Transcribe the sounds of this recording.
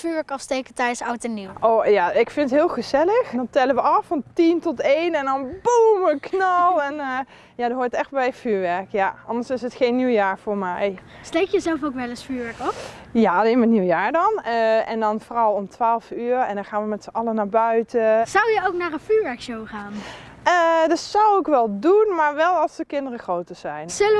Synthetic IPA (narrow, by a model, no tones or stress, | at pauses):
fyːɹʋɛɹkɑfstejkətɛɥəsawtɛniwʔoːjaɪkfɪnətɦɪːlˠχəzɛləxndɑntɛləʋəɑfɑntintɔtejnɛndɑnbumʋəknɑlˠɛn | jadəɦoːɹtɛxt̚bɛjfyːɹʋɛɹkjaʔɑndəɹsɪsətχejnːiwjaːɹv̥ʊːɹmɛjstejkjəzɛlˠfowkʋɛləsfyːɹʋɛɹkɔpjaɑlejnmaɹəniwəjaːɹdɑnəɛ̰ndɑnvoːrɑlˠɔmtʋaːlˠfyːɹɛndɑnχaːnʋəmɛtsəʔɑlənaːɹbœɥtəzɑwjəowknaːɹənfyːɹʋɛɹkʃowχaːn | ədɑtsɑwɪkʋɛlˠdunmaːɹʋɛlˠɑlˠsdəkɪndərəxrowtəz̥ɛjnzələ